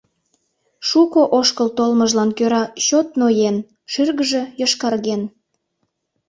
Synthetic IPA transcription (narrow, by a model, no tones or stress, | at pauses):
ʃukoʔoʃkəlt̪olməʒlɑnkøɾɑɕot̪nojen | ʃyrɣəʒejəʃkɑrɣen